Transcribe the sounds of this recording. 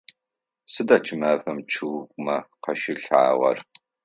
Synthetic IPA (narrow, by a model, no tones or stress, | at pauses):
sɨdat͡ʃʰɨmɐfɐmt͡ʃʰɨwʁʷʼmɐqɐʃɪɬa̰ːʁɐ̰r